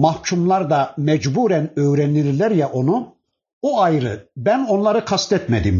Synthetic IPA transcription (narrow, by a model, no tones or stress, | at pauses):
mahcʰumlˠaɾd̪amɛd͡ʒbuːɾænøjɾɛniɾlʲæɾjɛʔo̞nu | oajɾɯ̰bæno̞nlˠaɾɯkʰast̪ɛt̪mɛd̪im